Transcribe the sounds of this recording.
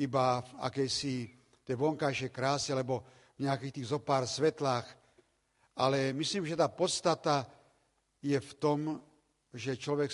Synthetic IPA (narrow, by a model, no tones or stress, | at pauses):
ibafa̰kɛjsi | t̪ɛʋɔŋkajʃɛjkɾaːsialɛbɔ | vɲɛakiːxt̪iːɣzɔpaːɾsʋɛt̪laːx | ʔalɛmisliːmʒɛt̪aːpɔt̪st̪at̪a | jɛft̪ɔm | ʒɛt͡ʃlɔʋɛk